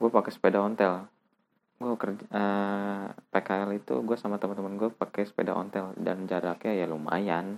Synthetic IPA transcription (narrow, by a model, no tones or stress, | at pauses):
ɡuapakɛsə̥pedaɔnt̪ɛl | ɡuakərd͡ʒʔə | pekaɛlit̪ṵɡuasamat̪əmant̪əmənɡuapakɛsə̥pḛda̰ʔɔ̰nt̪ɛlda̰nd͡ʒaɾakeajaluma̰jan